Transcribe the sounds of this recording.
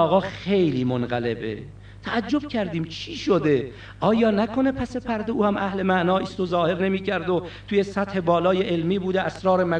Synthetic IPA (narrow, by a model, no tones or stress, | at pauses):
ɒːɣɒːχejliːmonɢæle̞bḛ | t̪ʰæʔːd͡ʒːo̞b̥̚cʲʰæɾd̪iːmt͡ʃʰiːʃod̪e̞ | ʔɒːjɒːnækʰo̞ne̞pʰæse̞pʰæɾd̪euːhæmʔæhle̞mæʔnɒːiːst̪ozɒːhe̞ɾne̞miːcʰæɾd̪ot̪ʰuje̞sæt̪he̞bɒːlɒːjeʔelmiːbuːd̪eʔæsɾɒːɾemæ